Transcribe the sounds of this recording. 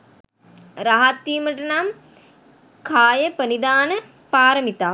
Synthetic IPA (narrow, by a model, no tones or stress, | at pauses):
ɾaɦat̪ːiːməʈənam | kʰaːjəpənid̪aːnə | paːɾəmit̪aː